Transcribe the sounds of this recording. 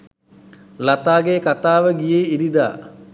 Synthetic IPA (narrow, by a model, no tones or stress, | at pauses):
lat̪aːɡekat̪aːʋəɡijeːid̪id̪a̰ː